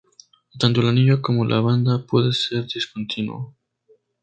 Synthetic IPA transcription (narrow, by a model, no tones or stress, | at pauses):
t̪ant̪olaniɲako̞mo̞lʔa̰βand̪apwe̞ðe̞se̞ɾd̪iskont̪ʰinwo̰